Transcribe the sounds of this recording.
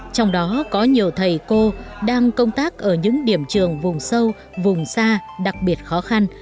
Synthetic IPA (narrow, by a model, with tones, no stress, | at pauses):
t͡ɕɔ˧wŋ͡mɗɔ˨˦kɔ˨˦ɲi˨˩əwt̪ʰə˨˩jko˧ɗaː˧ŋkə˧wŋ͡mt̪aː˦˥k̚ʔəː˧˩ɲɨ̰˧˥ŋɗi˧˩əmt͡ɕɨ˨˩əŋvʊ˨˩ŋ͡msə˧w | vʊ˨˩ŋ͡msaː˧ɗa˨˩k̚ɓi˨˩ət̚xɔ˨˦xa˧n